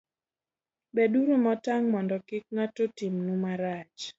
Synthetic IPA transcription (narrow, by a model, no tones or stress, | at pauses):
beduɾomɔtaŋmɔndɔkɪk̚ŋatotimnumaɾat͡ʃ